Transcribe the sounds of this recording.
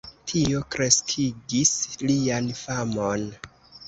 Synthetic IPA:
tʰio̞kɾe̞skʰiɡislianfamon

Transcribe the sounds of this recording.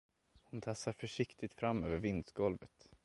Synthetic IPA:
hʊnt̪ʰasːaɾfœʂɪkt̪ɪt̪fɾamːøːvəɾvɪnd̪sɡɔlvət̪

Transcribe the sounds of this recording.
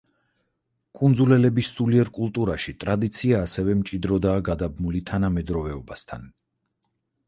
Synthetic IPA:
kʼund̪zulɛlɛbisːuliɛɾkʼulˠt̪ʼuɾaʃit̪ʼɾad̪it̪sʰiaːsɛvɛmt͡ʃʼid̪ɾɔd̪aːɡad̪abmulit̪ʰanamɛd̪ɾɔvɛɔbast̪ʰa̰n

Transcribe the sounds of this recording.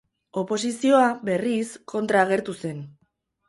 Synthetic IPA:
o̞po̞sisio̞abe̞riskʰo̞nt̪ɾaːɣ̞e̞ɾt̪use̞n

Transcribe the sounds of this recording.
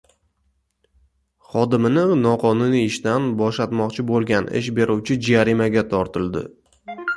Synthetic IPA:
χɒd̪ɪmɪnɪnɒqʰɒnuniɪʃt̪anbɒʃat̪mɒqt͡ʃʰɪbolˠɡʲanɪ̰ʃ̬be̞ɾʔuwt͡ʃʰɪd͡ʒaɾɪmaɡʲat̪ʰɒɾt̪ʰɪld̪ɪ̰

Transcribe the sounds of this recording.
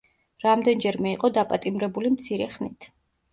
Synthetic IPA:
ɾamd̪ɛnd͡ʒɛɾmɛiqʼɔd̪apʼat̪ʼimɾɛbulimt̪sʰiɾɛχnit̪ʰ

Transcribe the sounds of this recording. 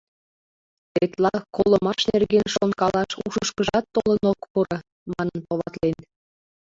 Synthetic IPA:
t̪et̪lɑkolə̆mɑʃnerɣenʃonkɑlɑʃuʃəʃkəʒɑt̪ːolənokpuɾɤ | mɑnənpolɑt̪len

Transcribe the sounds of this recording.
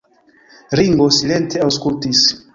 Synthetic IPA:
ɾiŋɡosilentʰeawskultis

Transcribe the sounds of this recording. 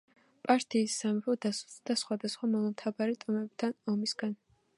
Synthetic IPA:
pʼaɾt̪ʰiːsːamapɔd̪asu̥sd̪asχwad̪asχwamɔlˠamt̪ʰabaɾit̪ʼɔmɛb̚t̪ʰanɔmisɡ̥an

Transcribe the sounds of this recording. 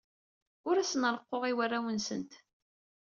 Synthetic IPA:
ʊɾæsənəɾˤəqːoʁiwarːawənsə̰nt̪

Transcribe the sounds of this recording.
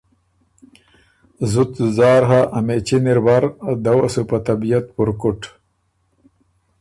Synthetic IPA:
zut̪zɑːɾɦaʔɐmet͡ɕiniɾbaɾd̪awɐ̰supat̪abijat̪̚puɾkuʈ

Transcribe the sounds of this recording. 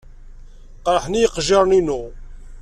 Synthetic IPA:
qɾˤəħnijəqʒɪɾˤninu

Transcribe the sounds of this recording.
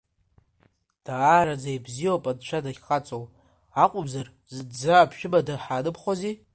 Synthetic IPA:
d̥aːɾad͡zajbzijopʼadt͡ʃʷʰadaχʲqʼat͡sʼow | aqʷʼʊbzar | zɨdd͡zaːpʰʃᶣɪbadaħaːnɨpʰχʷozi

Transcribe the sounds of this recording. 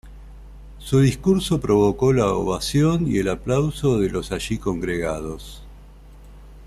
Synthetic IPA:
suðiskuɾso̞pɾo̞β̞oko̞lao̰βasjo̞nḭelaplawsoðelo̞saʒiko̞ŋɡɾeɣað̞os

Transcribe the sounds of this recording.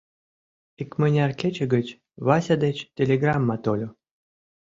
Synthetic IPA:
ikmənʲarkʲet͡ɕə̆ɡət͡ɕ | βasʲad̪et͡ɕtʲelʲeɡramːɑt̪olʲo

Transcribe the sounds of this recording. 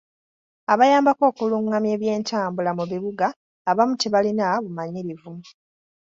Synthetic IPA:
aβajaːmbako̞ːkuluŋːamje̞ːβje̞ːntaːmbulamuβiβuɡaː | βamutiβalinaβumaɲiɾivu

